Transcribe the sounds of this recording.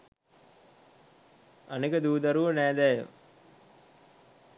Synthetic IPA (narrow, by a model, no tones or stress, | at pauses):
anekəd̪uːd̪aɾuʋənæːd̪æjə̰